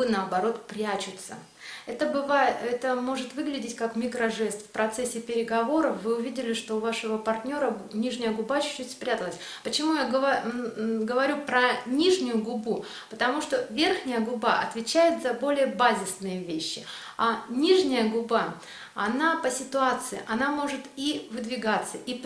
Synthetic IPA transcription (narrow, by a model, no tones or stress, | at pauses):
ɨnəɐbɐɾo̞t̪pɾʲæt͡ɕʊt̪sə̰ | ɛt̪əbɨvaɛt̪əmo̞ʐɨt̪vɨɡlʲɪdʲɪtʲkakmʲɪkɾɐʐɛst̪fpɾɐt̪sɛsʲːɪpʲɪɾʲɪɡɐvo̞ɾəfvɨʊvʲidʲɪlʲɪʂt̪oːvaʂɨvəpɐrtʲnʲo̞ɾənʲiʐnʲɪjəɡʊbat͡ɕʊ̥t͡ɕːʉtʲspɾʲæt̪əlˠəsʲ | pət͡ɕɪmujaɡə | ɡəvɐɾʲupɾɐnʲiʐnʲʊjʊɡʊbu | pət̪ɐmuʂt̪o̞vʲe̞rxnʲɪjəɡʊbaʔɐ̰t̪vʲɪt͡ɕæjɪt̪zɐbo̞lʲɪjəbazʲɪsnɨjəvʲeɕːɪ | anʲiʐnʲɪjəɡʊba | ɐnapəsʲɪt̪ʊat̪sɨɪ̰ʔɐnamo̞ʐɨt̪ivɨd̪vʲɪɡat̪sːəʔi